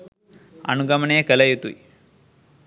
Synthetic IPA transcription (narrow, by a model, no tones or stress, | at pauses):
ɐ̰nuɡɐmɐneɐkɛlɐjut̪uḭ